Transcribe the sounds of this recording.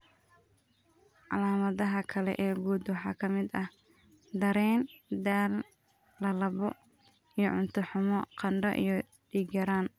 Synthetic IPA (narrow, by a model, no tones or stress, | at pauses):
ʕɑ̰laːmɐðɐɦɐkʰɐlɛ̰ʔɛːɡuːd̪wɑħɑːkʰɐmɪd̪ɐh | d̪ɐɾɛːnd̪aːl | lɐlɐβɔ | ijɞʕʊnt̪ʰʊħʊmɔqɑnɖɐʔḭjɔ | ɖiːɡɐɾaːn